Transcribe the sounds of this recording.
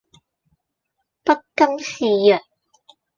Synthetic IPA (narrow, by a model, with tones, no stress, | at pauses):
pɐ˥tkɐ˥msiː˨˧jœ˨˩t̚